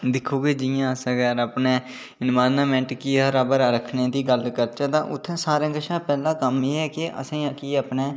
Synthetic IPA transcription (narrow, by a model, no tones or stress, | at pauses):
d̪ɪkʰːoːɡeːd͡ʒɪjãːsə̃ɡɛːɾaːpneː | ɪnmaːnaːmɛ̃ːɳʈkiːəɾaːbəɾɾəkʰneːd̪iːɡəlkəɾt͡ʃaːt̪ãːʔʊt̪ʰːẽːsaːɾãːŋɡəʃãːpɛːlãːkəmeːɛːkɪʔə̰sãːakiːapneː